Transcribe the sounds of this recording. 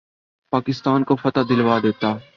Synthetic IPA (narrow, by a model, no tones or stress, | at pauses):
paːkɪst̪aːnkofɐt̪ad̪ɪlʋaːd̪eːt̪aː